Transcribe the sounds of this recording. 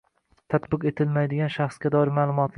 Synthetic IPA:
t̪ʰat̪bɪqe̞t̪ʰɪlmajd̪ɪɡʲanʃaχsɡʲad̪ɒɪɾmaːlˠʊmɒt̪ʰl

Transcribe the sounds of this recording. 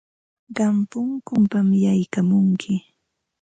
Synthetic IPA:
ɢɑmpʊŋkʊmpamjajkamʊŋkʰɪ

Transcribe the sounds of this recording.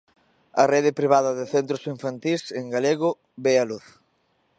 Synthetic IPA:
ɐ̰reðɪpɾiβ̞aðɐðɪθent̪ɾosiɱfant̪iseŋɡaleɣʊ | bealuθ

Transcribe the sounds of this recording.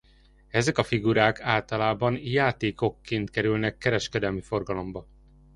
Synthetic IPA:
ɛzɛkɒfiɡuɾaːkaːlt̪ɒlaːbɒnjaːt̪eːko̞kːeːnt̪kɛɾylnɛkːɛɾɛʃkɛd̪ɛlmifo̞rɡɒlo̞mbɒ

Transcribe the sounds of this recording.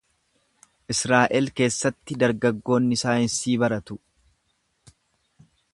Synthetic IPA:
ʔɪsɾaːʔɛlke̞ːsːɐt̪ːɪd̪ɐɾɡɐɡːo̞ːnːɪsaːjɪnsiːbɐɾɐt̪ʊ

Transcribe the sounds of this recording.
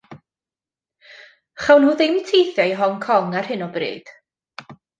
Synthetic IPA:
χawnhuːðɪjmtʰejθjɔjɦɔŋkʰɔŋarhɨnɔbrḭːd̥

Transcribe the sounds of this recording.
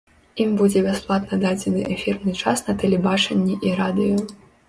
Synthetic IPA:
imbud͡zʲɛbʲasplˠat̪nɐd̪ad͡zʲɛnɨʔɛfʲirnɨt͡ʂasnɐt̪ɛlʲɛbat͡ʂɐnʲːiʔiɾad̪ɨju

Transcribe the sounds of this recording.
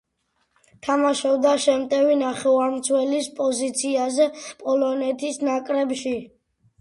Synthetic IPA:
t̪ʰamaʃɔbd̪aʃɛmt̪ʼɛvinaχɛaɾmt̪sʰwɛlispʼɔzit̪sʰiazɛpʼɔlɔnɛt̪ʰisnakʼɾɛbʃi

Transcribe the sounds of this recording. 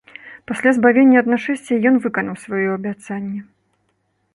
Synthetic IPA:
pasʲlʲazbavʲenʲːɐɐd̪naʂɛsʲt͡sʲɐjɔnvɨkɐnɐwsvajɔɐbʲat̪sanʲːɐ

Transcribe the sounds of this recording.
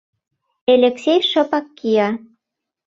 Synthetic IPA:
elʲeksʲejʃɤ̆pɑkːijɑ

